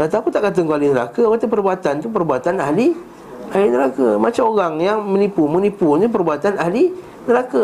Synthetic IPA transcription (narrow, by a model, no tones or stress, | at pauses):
kat̪akut̪aʔkat̪̬əŋkualinəɾa̰kəkat̪əpərbuat̪ant̪up̬ərbuat̪anahli | alinəɾakəmat͡ʃamoɣaŋjaŋmə̃nipumunipunup̬ərbat̪anaɦli | nəɾaka